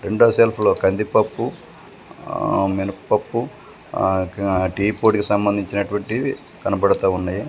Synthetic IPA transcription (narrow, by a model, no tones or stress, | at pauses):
ɾeɳɖoːselpʰulo̞ːkɐnd̪ipɐpːu | menɐkpɐpːu | ʈiːpoːʈkisɐmbɐnd̪ʱiɲt͡ʃinɐʈuʋɐɳʈi | kɐnɐpɐɽɐt̪aːunːaːji